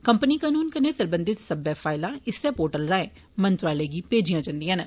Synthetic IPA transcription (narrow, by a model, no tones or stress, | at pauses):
kəmpəniːkaːnuːnkəneːsəɾbənd̪ɪt̪səbɛːfʰaːɪlãːɪsːɛːpoːɾʈəlɾaːẽː | mənt̪ɾaːleːɡiːpeːd͡ʒijãːd͡ʒãːnd̪ijãːn